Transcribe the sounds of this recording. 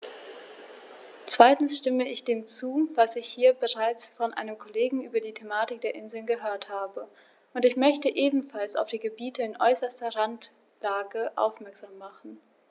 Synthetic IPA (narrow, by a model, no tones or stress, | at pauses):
t͡sv̥aɪtn̩sʃtɪməɪçd̥eːmt͡suːvasɪçhiːɐbəʁaɪt͡sfɔnʔa̰ɪnəmkʰoleːɡŋ̩ʔyːbɐdiːtʰemaːtɪk̚d̥eːɐʔɪnzl̩nɡəɦøːɐthaːbə | ʔʊntɪçmœçtəʔeːbm̩falsa̰ʊfd̥iːɡəbiːtəɪnʔɔʏsɐstɐʁant | laːɡəʔa̰ʊfmɛɐkz̥aːmːaχn̩